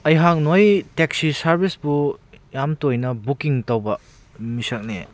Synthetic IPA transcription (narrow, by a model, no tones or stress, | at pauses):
ɐjɦak̚nojteksisɐɾbisbujamtojnɐbukiŋtɐwbɐ | misɐk̚nḛ